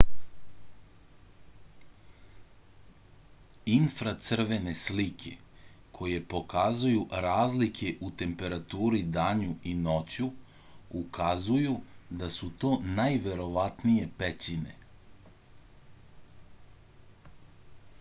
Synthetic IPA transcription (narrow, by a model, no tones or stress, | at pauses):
infɾat̪sr̩ʋe̞ne̞slikʰe̞̰ | kʰo̞je̞po̞kazujuɾaːzlikʰe̞ʔut̪e̞mpe̞ɾat̪uːɾid̪aːɲuino̞t͡ɕu | ukʰazujud̪asut̪o̞ːnajʋe̞ɾo̞ʋat̪nije̞pet͡ɕine̞̰